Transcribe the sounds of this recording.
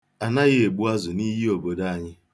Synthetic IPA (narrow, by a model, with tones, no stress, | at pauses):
a˨na˦ɣɪ˦e˨ɡ͡bu˦a˦zʊ˨ni˦ɦi˦o˨bo˨da˦a˨ɲɪ˦